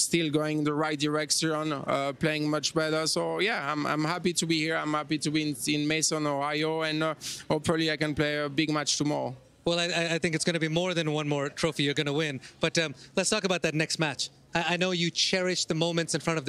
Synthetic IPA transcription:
stɪlˠɡoʊɪ̃ŋ̃nðəɹaɪt̚d̥ɪɹɛkʃə̃nʌpl̥eɪɪ̃ŋmʌt͡ʃbɛɾə˞soʊjæãɪ̃mã̰ɪ̃mhæpitubihiɹãɪ̃mhæpitubĩnɪ̃nmeɪsɔ̃nɔhaɪoɨ̃noə˞liaɪkɛ̃npleɪəbɪɡmæt͡ʃtumɔɹ | wɛlˠaɪaɪaɪθɪ̃ŋkɨtsɡ̥ʌnɨbimɔɹðɨ̃nwʌ̃nmɔɹtʰɹ̥oʊfijə˞ɡʌnəwɪ̃nb̥ʌtʌ̃lətstʰɔkəbaʊt̪̚ðɨtⁿnɛkst̚mæt͡ʃ | aɪaɪnoʊjɨt͡ʃʰɛɹɪʃðəmõʊ̃mɨ̃ntsɨ̃nfɹʌ̃ɾ̃ʌvð

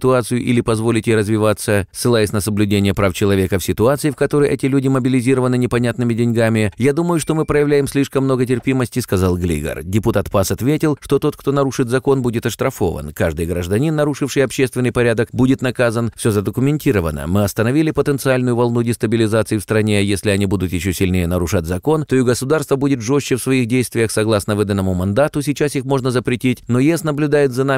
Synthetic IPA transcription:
sʲɪt̪ʊat̪sɨjʊʔilʲɪpɐzvo̞lʲɪt̪ʲjerəzvʲɪvat̪sːəsːɨlˠajɪsʲnəsəblʲʉdʲenʲɪjəpɾaft͡ɕɪlˠɐvʲe̞kəfsʲɪt̪ʊat̪sɨɪfkɐt̪o̞ɾəjʔɛtʲɪlʲudʲɪməbʲɪlʲɪzʲiɾəvənɨnʲɪpɐnʲat̪nɨmʲɪdʲɪnʲɡamʲɪjad̪uməjʊʂt̪o̞mɨpɾəjɪvlʲæjɪmsʲlʲiʂkəmːno̞ɡət̬ʲɪrpʲiməsʲtʲɪskɐzalˠɡlʲḭɡə̰rdʲɪpʊt̪at̪pasɐt̪vʲetʲɪlˠʂt̪o̞t̪o̞t̪̚kt̪o̞nɐɾuʂɨt̪zɐko̞nbudʲɪt̪ɐʂt̪ɾɐfo̞̰və̰nkaʐd̪ɨjɡɾəʐd̪ɐnʲinːɐɾuʂɨfʂɨjɐpɕːest̪vʲɪnːɨjpɐɾʲad̪əkbudʲɪt̪nɐkazənfsʲozəd̪əkʊmʲɪnʲtʲiɾəvənə̰mɨɐst̪ənɐvʲilʲɪpət̪ənt̪sɨalʲnʊjʊvɐlˠnudʲɪst̪əbʲɪlʲɪzat̪sɨɪfst̪ɾɐnʲejesʲlʲɪɐnʲibud̪ʊt̪jɪɕːosʲɪlʲnʲejənəɾʊʂatʲzɐko̞nt̪o̞ɪɡəsʊd̪arst̪vəbudʲɪt̪ʐo̞ɕːɪfsvɐixdʲejst̪vʲɪjəxsɐɡlˠasnəvɨd̪ənːəmʊmɐnd̪at̪ʊsʲɪt͡ɕasixmo̞ʐnəzəpɾʲɪtʲitʲno̞jesnəblʲʉʊd̪ajɪt̪zɐna

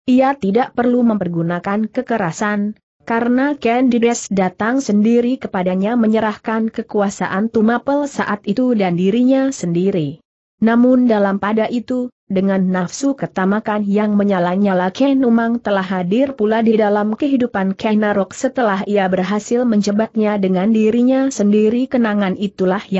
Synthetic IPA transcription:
ʔiat̪idaʔpərluməmpərɡunakankəkəɾasan | kaɾənakɛndidɛsdat̪aŋsəndiɾikəpadaɲaməɲəɾahkankəkuasa̰ʔant̪umapəlsaʔat̪it̪udandiɾiɲasəndiɾi | namʊndalampadaʔit̪u | dəŋanːafsukərt̪amakanjaŋməɲalaɲalakɛnumaŋt̪əlaɦːadɪrpuladidalamkəɦidupankɛnaɾɔk̚sət̪əlaɦiabərɦasɪlməɲd͡ʒəbat̪̚ɲadəŋandiɾiɲasəndiɾikənaŋanit̪ulahja

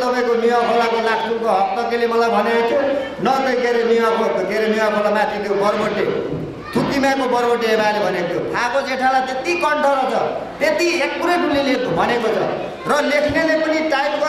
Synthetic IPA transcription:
t̪ʌbajkonijʌ̃pʰʌɽakolakʰsumkoɦʌk̚t̪ʌkelemʌlajbʱʌneot̪ʰu | nʌɡʌjkeɾeniʌkʰoɡeɾemiapʰʌɽamat̪ʰit̪ʰjobʌɾbʌʈle | t̪ʰut̪imakobʌrbʌʈːeːbalebʱʌnet̪ʰjoakod͡zeʈʰalat̪et̪ikʌɳʈʰʌɾʌt͡sʰʌt̪et̪iek̚puɾʌʈulilet̪bʱʌnekot͡sʰʌ̰ | rʌlekʰnelepʌniʈajmɡʌ

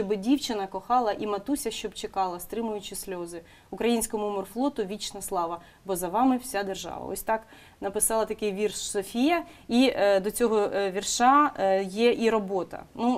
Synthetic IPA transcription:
ʃt͡ʃɔbɪdʲiwt͡ʃɪnɐkɔxɑlˠɐʔimɐt̪usʲɐʃt͡ʃɔbt͡ʃekɑlˠɐst̪ɾɪmʊjʊt͡ʃɪsʲlʲɔzɪ | ʊkɾɐjinʲsʲkɔmʊmɔrflˠɔt̪ʊʋʲit͡ʃnɐslˠɑʋɐ | bɔzɐʋɑmɪwsʲad̪erʒɑ̰ʋɐ̰ɔ̰sʲt̪ɑk | nɐpɪsɑlˠɐt̪ɐkɪjʋʲirʃsɔfʲijɐid̪ɔt͡sʲɔɦɔʋʲirʃɑjɛʔiɾɔbɔt̪ɐ̰nu

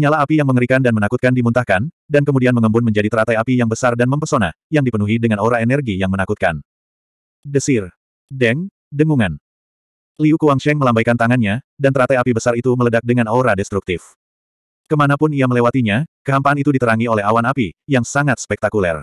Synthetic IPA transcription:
ɲalaɦapijaŋməŋəɾikandanmənakut̪̚kandimunt̪ahkan | dankəmudianməŋəmbʊnməɲd͡ʒadit̪əɾat̪ajapijaŋbəsardanməmpərsona̰hjaŋdipənuɦidəŋanoɾaɛnɛrɡijaŋmənakut̪̚kan | dəsɪr | dɛŋ | dəŋuŋan | liukuwaŋʃɛŋməlambajkant̪aŋanɲadant̪əɾat̪ajapibəsarit̪umələdak̚dəŋanoɾadɛst̪ɾuk̚t̪ɪf | kəmanapʊniaməlewat̪iɲakəɦampaanit̪udit̪əɾaŋiolɛɦawanapijaŋsaŋat̪̚spɛk̚t̪akulɛ̰r

